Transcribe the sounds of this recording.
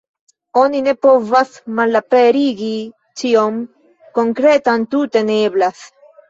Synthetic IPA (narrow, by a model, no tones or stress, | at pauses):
oninepovasmalːapeɾiɡi | t͡ʃiom | koŋkɾet̪ant̪ut̪eneβlas